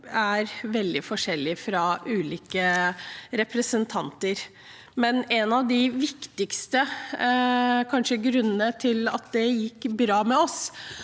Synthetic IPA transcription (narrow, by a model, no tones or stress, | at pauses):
æɾʋɛld̪ɪfɔʂɛlːɪfɾɑʉːliːkə | ɾɛpɾəsənt̪ʰɑnt̪əɾ | mɛnɛnɑʋd̪ɪʋɪkt̪ɪkst̪ə | kʰɑnʂəɡɾʉnːənət̪ʰɪlɑ̰t̪̚d̪ɛjɪkːbɾɑːmɛɔs